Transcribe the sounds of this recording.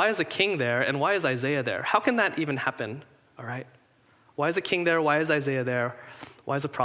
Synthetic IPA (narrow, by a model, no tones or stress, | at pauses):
aɪɨzɨkʰɪ̃ŋðə˞ɨ̰̃nwaɪɨzaɪzeɪɨðə̰˞haʊkʰɨ̃nðɨɾʔivɨ̃nhæpɨ̃n | ɔlˠɹaɪt̚ | waɪɨzɨkʰɪ̃ŋðə˞waɪɨzaɪzeɪɨðə˞wʔaɪɨzəpʰɹ̥ɑ